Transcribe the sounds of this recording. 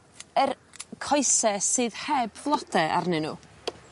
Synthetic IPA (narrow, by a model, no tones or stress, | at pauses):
ər | kʰɔjsɛsɨːðhɛbvlˠɔdɛʔa̰rnɨnṵː